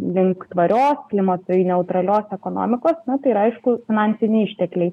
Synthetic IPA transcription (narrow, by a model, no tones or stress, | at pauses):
lʲɪŋkt̪ʋɐɾʲoːsklʲɪmɐt̪nʲɛʊt̪ɾɐlʲoːsɛkoːno̰ːmʲɪkoːsnɐt̪ɐɪɾɐɐɪʃkʊfʲɪnɑːnʲsʲɪnʲɛɪɪʃʲt̪ʲɛklʲɛɪ